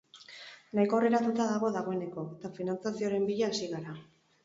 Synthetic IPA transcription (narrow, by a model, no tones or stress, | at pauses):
najko̞reɾat̪ut̪aðaɣo̞ðaɣ̞o̞e̞ne̞ko̞et̪afinant͡sasio̞ɾe̞mbiʎaːsiɣaɾa